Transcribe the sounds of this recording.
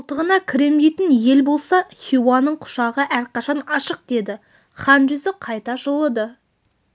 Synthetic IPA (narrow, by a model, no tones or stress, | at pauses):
lˠt̪əʁənɑkʲʰɪɾe̞md̪ejt̪ɪnje̞lbo̞lˠsɑχʲuwanːəɴqʰʊ̥ʃɑʁəʔæɾqɑʃɑnɑʃəq̚d̪̥e̞d̪ɪ | χɑnʒʏzɪqʰɑjt̪ɑʒəlˠəd̪ə